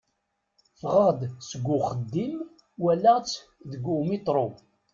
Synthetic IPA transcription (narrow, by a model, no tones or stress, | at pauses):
fʁəd̪səɡʷːʊχəd̪ːim | wælːæt͡sːðəɡʷːumit̪ˤɾˤo